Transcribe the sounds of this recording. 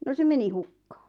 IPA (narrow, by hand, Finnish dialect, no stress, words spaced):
no se meni hukːɑ̥ː